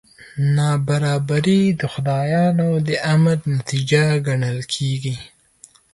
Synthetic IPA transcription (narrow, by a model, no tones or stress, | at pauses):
nɑbaɾɑbaɾid̪əxʊd̪ɑjɑnod̪əʔaməɾnat̪id͡ʒaɡaɳəlkʰeɡi